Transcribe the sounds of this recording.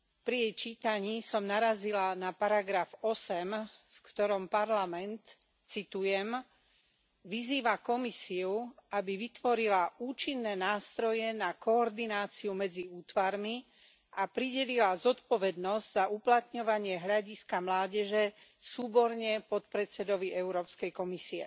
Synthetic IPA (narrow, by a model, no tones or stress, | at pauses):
pɾijɛjt͡ʃiːt̪aɲiːsɔmnaɾazilanapaɾaɡɾafɔsɛmfkt̪ɔɾɔmpaɾlamɛnt̪ | t͡sit̪ujɛm | ʋiziːʋakɔmisiuabiʋit̪ʋɔɾilauːt͡ʃinːɛːnaːst̪ɾɔjɛnakɔːɾd̪inaːt͡siumɛd͡ziuːt̪ʋaɾmi | apɾiɟɛlilazɔt̪pɔʋɛd̪nɔzɟz̥auplat̪ɲɔʋaɲɪɛɦʎaɟiskamlaːɟɛʒɛ | suːbɔɾɲɛpɔt̪pɾɛt͡sɛd̪ɔʋiʔɛʊɾɔːpskɛjkɔmisiɛ̰